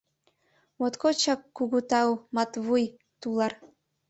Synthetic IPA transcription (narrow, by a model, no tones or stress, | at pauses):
mot̪kot͡ɕɑkːuɣut̪ɑwmɑt̪βuj | t̪ulˠɑr